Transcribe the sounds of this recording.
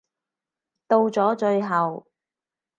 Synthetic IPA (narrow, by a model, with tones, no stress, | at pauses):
t̪o˧wt͡ʃɔː˨˥t͡ʃɵ˧ɥɦɐ˨w